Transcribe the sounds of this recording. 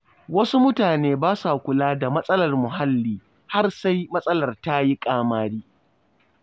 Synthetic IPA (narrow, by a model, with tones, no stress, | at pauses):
wɐ˦su˦mʊ˦taː˨neː˦baː˦sa˨kʷʊ˨laː˦da˨mɐ˦sʼɐ˦lɐ˨rmʊ˨ɦa˦lːiː˨ | ha˦rsa˦jmɐ˦sʼɐ˦lɐ˨rta˦ji˦kʼaː˦maː˦ɽiː˦